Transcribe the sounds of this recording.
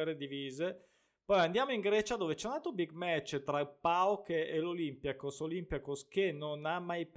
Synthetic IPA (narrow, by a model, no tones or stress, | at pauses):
ɛɾed̪iviːze | pɔjand̪jaːmoiŋɡɾɛːt͡ʃad̪oːvet͡ʃɛunalt̪ɾobiɡ̚mɛt͡ʃːt̪ɾaipawkeelolimpjakosolimpjakoskenonamːajp